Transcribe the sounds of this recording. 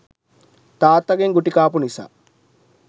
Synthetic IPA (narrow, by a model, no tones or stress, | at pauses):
t̪aːt̪ːɐɡeŋɡuʈikaːpunisa̰ː